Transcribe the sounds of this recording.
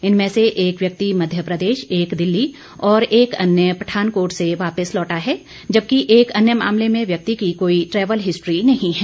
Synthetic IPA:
ɪnmẽseʔeːkʋjɐk̚t̪imɐd̪ʱjəpɾəd̪eːʃeːkd̪ɪlːi | ɔːɾeːkɐnjəpɾɐʈʰaːnkoːɾʈseʋaːpəslɔːʈaɦɛː | d͡ʒɐb̚kiʔeːkɐnjəma̰ːmlemẽʋjɐk̚t̪ikikoːiʈɾɛːʋəlɦɪsʈɾinɐɦĩɦɛː

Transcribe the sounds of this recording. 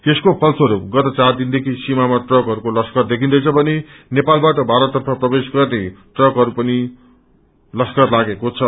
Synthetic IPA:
t̪eskopʰʌlt͡soɦʌɾuɡʌt̪ʌt͡sard̪ind̪ekʰisimamaʈrʌkɦʌɾukolʌskʌrd̪ekʰĩnd̪ʌjt͡sʰʌbʱʌnenepalbaʈʌbʱaɾʌt̪ːʌrpʰʌprʌbesɡʌrneʈrʌkɦʌɾupʌni | lʌskʌrlaɡekot͡sʰʌ

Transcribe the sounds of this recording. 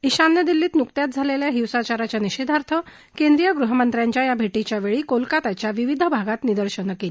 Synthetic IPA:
iɕanːəd̪ilːiːt̪nukt̪jat̪̚d͡zʱaleljaɦiwsat͡ɕaɾat͡ɕjaniɕed̪ʱaɾt̪ʰə | kend̪ɾijəɡɾuɦəmənt̪ɾjãɲt͡ɕjajabʱeʈit͡ɕjaʋeɭiːkolkat̪at͡ɕjaʋiʋid̪ʱəbʱaɡat̪nid̪əɾɕənəkeːl

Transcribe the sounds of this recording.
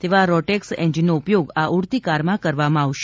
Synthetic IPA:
t̪eʋaɾɔʈɛksɛ̰̃ɲd͡ʒinːoupjoɡaʔuɽt̪ikaɾmãkəɾʋamãaʋʃ

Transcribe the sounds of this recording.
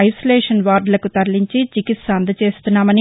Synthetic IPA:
ɐjsɐleːʃɐnʋaːɾɖlɐkut̪ɐɾliɲt͡ʃit͡ʃikit̪sɐnd̪ʱɐt͡ʃe̞ːst̪unːaːmɐni

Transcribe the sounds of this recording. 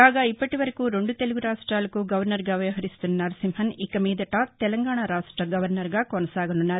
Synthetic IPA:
aːɡɐipːɐʈuʋɐɾɐkuːɾoɳɖut̪eluɡuɾaːʂʈɾaːlɐkuːɡɐʋɐɾnɐɾɡɐːʋɐjɐɦɐɾist̪ɐnnːɐɾsimhɐnikɐmiːd̪ɐʈaːt̪ɛlɐŋɡaːɳaɾaːʂʈɾɐɡɐʋɐɾnɐɾɡakonɐsaːɡɐnunːaɾ

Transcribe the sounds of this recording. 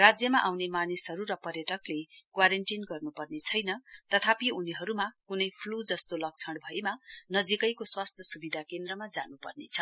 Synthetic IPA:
rad͡zjʌmaʔawnemanisɦʌɾuɾʌpʌrjʌʈʌklekwaɾenʈinɡʌrnupʌrnet͡sʰʌjnʌt̪ʌt̪ʰapiuniɦʌɾumakunʌjpʰlud͡zʌst̪olʌk̚t͡sʰʌɽbʱʌemanʌd͡zikʌjkoswast̪ʰjʌsubid̪ʱakend̪rʌmad͡zanupʌrnḛt͡sʰʌ

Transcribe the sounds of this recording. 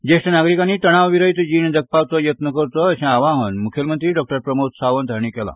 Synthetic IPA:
d͡ʑesʈənaɡɾikaniːt̪əɽ̃aʋʋiɾəjt̪d͡ʑiːnd͡zəɡ̚paʋt͡sɔjət̪nəkəɾt͡sɔːɕɛ̃aʋãɦənmukʰjəlmənt̪ɾiːɖɔk̚ʈəɾpɾəmot̪saʋənd̪ʱaɾɳ̃iːkɛlã̰

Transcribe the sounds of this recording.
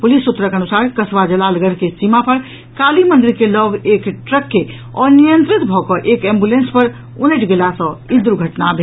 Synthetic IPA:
pulisːut̪ɾəkənusaɾkəsʋad͡ʒəlalɡəɾkesimapʰəɾ | kalimənɖ̪iɾkelɔɡekʈɾəkːe | ɔnijənt̪ɾit̪bʱɔkɔʔekɛ̃mbulenspəɾ | uneʈɡelasə̃id̪ɾuɡʱəʈnabʱe

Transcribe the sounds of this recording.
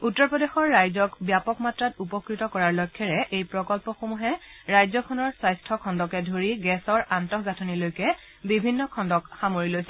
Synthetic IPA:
utːɔɹpɹɔdexɔɹːajzɔkbjapɔkmatɹatupɔkɹitɔkɔɹaɹlɔkʰːɛɹɛʔejpɹɔkɔlpɔxomuɦɛɹajzɔkʰɔnɔɹsajstʰɔkʰɔndɔkɛdʱoɹiɡɛsɔɹantɔkɡatʰɔnilojkɛ | bibʱinːɔkʰɔndɔkxamoɹilojsɛ

